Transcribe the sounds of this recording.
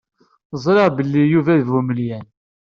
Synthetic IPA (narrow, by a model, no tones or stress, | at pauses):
zˤɾɑʁbəlːijuvæðvuməljæn